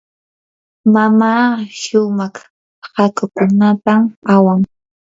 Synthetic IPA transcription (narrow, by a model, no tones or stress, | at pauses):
mamaːʃʊmɑχ | hakʊkʊnat̪amawaŋ